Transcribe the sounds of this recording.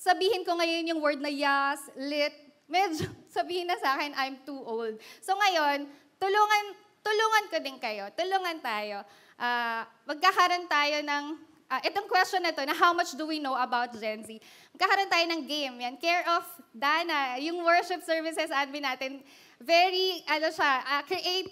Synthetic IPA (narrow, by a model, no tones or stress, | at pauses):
sɐbiːhɪnkoŋɐjo̞njʊŋwɛɹd̪̚nɐjaslɪt̪̚ | mɛd͡ʒosɐbiːhɪnːɐsaːkɛnʔɐjmt̪uːʔowld̪̚soŋɐjo̞n | t̪ʊluːŋɐn | t̪ʊluːŋɐnkod̪ɪnkɐjo̞t̪ʊluːŋɐnt̪aːjo̞ | ʔaːmɐɡ̚kakɐɾont̪aːjo̞nɐŋ | ʔɐʔɛt̪oŋkwɛstt͡ʃonːɐt̪o̞nɐɦawmɐt͡ʃd̪ʊwinowʔɐbawt̪̚d͡ʒɛnsimɐɡ̚kakɐɾont̪aːjonɐŋɡejmjankɛɹʔɔfd̪aːnɐjʊŋwɛɹʃɪp̚sɛɹvɪsɛsɐʔamɪnaːt̪ɪn | vɛɹiʔɐnoʃaʔɐkɹiʔejt̪